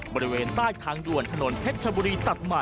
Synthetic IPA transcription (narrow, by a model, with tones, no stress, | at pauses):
bɔː˧ɾi˦weː˧nt̪aː˥˩jt̪ʰaː˧ŋdu˨˩ənt̪ʰa˧no˩˦np̪ʰe˦˥t̪̚t͡ɕʰa˧buː˧ɾiː˧t̪a˨˩t̪̚ma˨˩